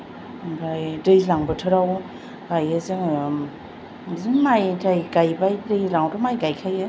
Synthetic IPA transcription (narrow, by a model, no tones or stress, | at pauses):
bɾajdɯjzlaŋbɯtʰɯɾaw | ɡajɯzɯŋ | zɯnmajtʰajɡajbajdɯjlaŋwdɯmajɡajkʰajɯ